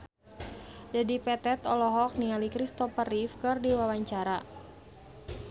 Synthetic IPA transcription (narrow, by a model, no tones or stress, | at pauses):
dadipɛt̪ɛt̪ɔlɔɦɔk̚nialikɾist̪ɔpərifkɨrdiwawaɲt͡ʃaɾa